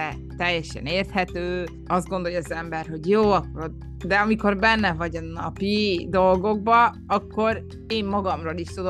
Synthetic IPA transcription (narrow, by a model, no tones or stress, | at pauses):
ɛ | t̪ɛjːɛʃɛ̰neːrt̪hɛt̪øː | ɒzd̪ɡo̞nd̪o̞jɒzɛmbɛrɦo̞ɟjoːɒkːo̞ɾod̪ | d̪ɛɒmiko̞rbɛnːɛvɒɟɒnɒpid̪o̞lɡo̞ɡ̚bɒ | ɒkːo̞ɾ | eːmːɒɡɒmroliʃt̪ud̪o